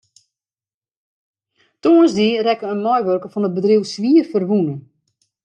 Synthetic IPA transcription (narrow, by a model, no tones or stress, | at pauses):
toənzdirɛkəənmɔjʋørkəfɔnəbədriwsʋiːərfərʋunə